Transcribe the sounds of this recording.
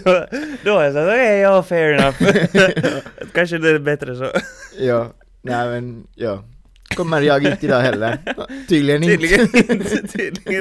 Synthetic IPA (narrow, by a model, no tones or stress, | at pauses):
noːjæs̬ɑokeɪjaɔfɛɹɪnɑf | kɑnʃ̬əd̪ɛbɛt̪ɾəsɔjɑː | næɪmɛnjɑː | kʰɔmːəɾjɑːɡiːt̪ɪd̪ɑːhɛlːəɾt̪yːd̪əlɪənɪːd̪lɪət̪ʰːd̪lɪ